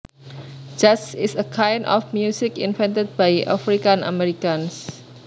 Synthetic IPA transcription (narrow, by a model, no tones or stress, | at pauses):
d͡ʒasisəkʰãjndɔ̰fmjusikĩnvɛ̃ntəd̚bajʔafɹikãna̰mɛɾikãns